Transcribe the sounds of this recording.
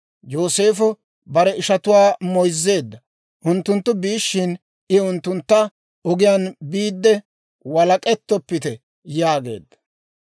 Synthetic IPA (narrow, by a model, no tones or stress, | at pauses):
joːse̞ːfɔ | bɐɾɛɪʃɐt̪ʊwaːmɔjzːe̞ːd̪ːɐ | ʔʊnt̪ːʊnt̪ːʊbiːʃːɪn | ɪʊnt̪ːʊnt̪ːɐ | ɔɡɪjaːnbiːd̪ːɛ | wɐlɐkʼɛt̪ːɔpːɪt̪ɛ | jaːɡe̞̰ːd̪ːɐ̥